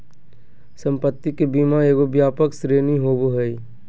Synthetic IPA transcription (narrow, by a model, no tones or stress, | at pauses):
sə̃mpət̪ːikebiːmaeːɡobjaːpəksɾeːniɦoboɦəi